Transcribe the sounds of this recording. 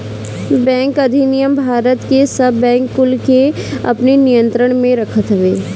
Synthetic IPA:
bɛ̃ːŋkɐd̪ʱinijəmbʱaːɾət̪kesɐbːɛ̃ːŋkːʊlke | ɐ̰pninijə̃nt̪ɾəɽ̃mẽɾɐkʰət̪ɦəʋeː

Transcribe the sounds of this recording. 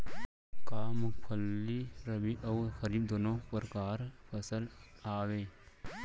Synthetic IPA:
kaːmukʰɐlːiɾɐmiʔɐwxɐɾib̚d̪onopɐɾkaːɾfɐsɐlaːwe

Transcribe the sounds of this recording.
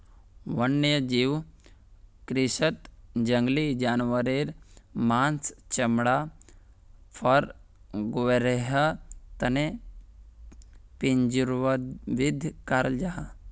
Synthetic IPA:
ʋɐnːjəd͡ʒiw | kɾisət̪d͡ʒɐŋɡlid͡ʒaːnʋəɾeːɾmaːnst͡ʃɐmɽa | pʰɐɾ | ɡʋeɾeɦɐt̪ɐne | piɲd͡ʒɾʋəʋid̪ʱkaɾld͡ʒaɦa

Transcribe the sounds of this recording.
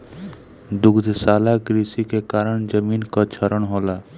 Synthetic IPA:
d̪ʊɡd̪ʱsaːlaɡɾiːsikekaːɾəɳ̃d͡ʒəmiːnkat͡ʃʰəɾəɽ̃ɦoːlaː

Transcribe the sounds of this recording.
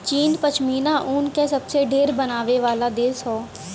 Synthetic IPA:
t͡ʃiːnpət͡ʃʰmiːnaʔuːnkesɐbseɖʱeːɾbɐnaːʋeʋaːlad̪eːsɦoː

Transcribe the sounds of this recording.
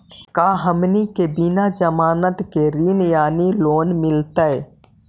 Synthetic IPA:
kaːɦəmnikebɪnad͡ʒəmaːnət̪keɾiːnjaːniloːnmɪlt̪əe

